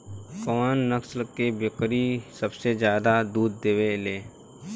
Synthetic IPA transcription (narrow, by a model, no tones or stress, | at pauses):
kɔːnːəkslkebɪkɾisəbsed͡ʒjaːd̪ad̪uːd̪ːeʋeleː